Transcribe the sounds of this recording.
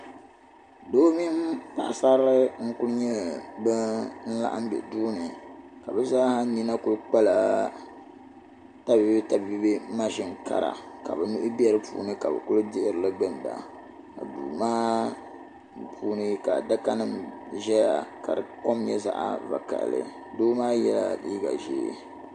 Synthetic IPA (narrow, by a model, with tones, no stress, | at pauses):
doː˦mi˦m˦pa̰˦ʔsa˦ɾɨ˦ŋ̩˦kʊ˦lɲɛ˦bɨ˦n̩˦la̰˦ʔa̰˦m˦bɛ̰˨duː˦nɨ˨ka˨bɛ˦zaː˦ha˦ni˦na˦kʊ˦lk͡pa˦la˨ | ta˦bi˦bi˦ta˨bbi˦bi˦ma˦ʒi˦ŋ˨ka̰˨ɾa̰˨ka̰˨bɛ˨nu˦ʔʊ˦bɛ˦ɾɨ˦pṵː˨˦nɨ˦ka˨bɨ̰˨kʊ˦lɨ˦dɪ˦ʔɪ˨ɾɨ˨lɨ˦ɡ͡bɨ˦n˨ba̰˨ | ka̰˨dṵː˨maː˦ | pʰuː˦nɨ˦ka˨da˦ka˦nɨ˦m | ʒɛ˦ja˨ka̰˨ɾɨ˨ko˦m˦ɲɛ˦za̰˦ʔa̰˦va̰˨ka̰˨ʔlɨ̰˨ | doː˦maː˦jɛ˦la̰˦lḭː˦ɡa̰˨ʒḭː˨